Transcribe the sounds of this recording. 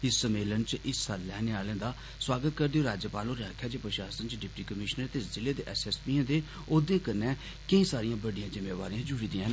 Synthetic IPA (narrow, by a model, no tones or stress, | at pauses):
ɪsːəmeːlənt͡ʃʔɪsːalːɛːneaːlẽːd̪aː | swaːɡət̪̚kəɾd̪eːoːɾaːd͡ʒəpaːlõːɾaːkʰjaːd͡ʒeːpɾəʃaːsənt͡ʃɖɪp̚ʈiːkəmɪʃnəɾt̪eːzɪleːd̪eːʔɛːsɛːspiːãːd̪eː | oːd̪eːkənːɛː | kəĩːsaːɾijãːbəɖijãːd͡ʒɪmeːʋaːɾĩːãːd͡ʒʊɽiːd̪iãɦ